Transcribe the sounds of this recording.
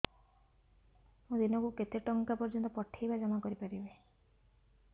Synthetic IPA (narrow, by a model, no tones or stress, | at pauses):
mũd̪inɔkuket̪eʈɔŋkapɔɾd͡ʒɔnt̪ɔpɔʈʰːajbad͡ʒɔmakɔɾipaɾibe